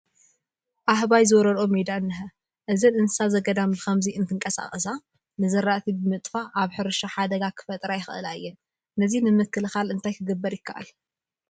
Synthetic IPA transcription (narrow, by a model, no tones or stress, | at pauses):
ʔaɦβajzɨwɾɐɾomed̪aɨnːɨɦɐ | ʔɨzɐnɨnɨsazɐɡɐd̪ambɨkʰɐmziɨnt̪ʰɨŋkʼɐsa̰χʼɨsa | nɨzɐɾːaʔt̪ʰibɨmɨt̪ʼfaʔaβħɨɾɨʃaħad̪ɐɡakʰɨ̥fɐt̪ʼɾajɪxɨʔɨ̰lajːɛn | nɐzinɨmɨkʰːɨlɨxalɨnt̪ʰajkʰɨɡɨbːɐɾjɪkʰːaʔa̰l